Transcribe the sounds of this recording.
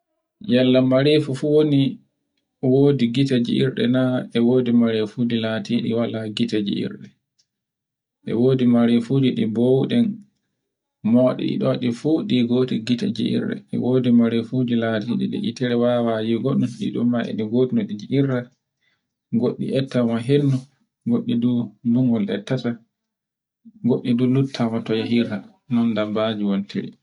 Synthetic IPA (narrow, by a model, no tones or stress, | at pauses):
jalːamaɾefufuwoni | woːdiɡitad͡ʒḭḭɾɗɛ̰naɛwoːdimaɾefud͡ʒilatiɗḭwalaɡitad͡ʒḭḭɾɗɛ | ʔɛ̰woːdimaɾefudiɗibowɗɛn | mɔːɗ̰ḭɗɔɗifuɗiɡoːtiɡita̰d͡ʒḭʔḭɾːa̰ʔɛ̰woːdimaɾefud͡ʒilatiɗḭɗɛ̰ʔitɛɾɛwawajiɡɔɗunɗḭɗumːaʔɛ̰ɗiɡotinɔɗid͡ʒiʔiɾa | ɡoɗːḭʔɛtːamaɦenːu | ɡoɗːiduduŋɡɔlʔɛ̰tːata | ɡoɗːidulutʰːamatɔjaɦiɾa | nɔndabːad͡ʒiwontʰḛɾḭ